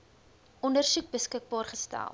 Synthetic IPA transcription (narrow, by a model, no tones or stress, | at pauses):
ʔɔndərsʉk̚bəskək̚bɑːrχəstæ̰lˠ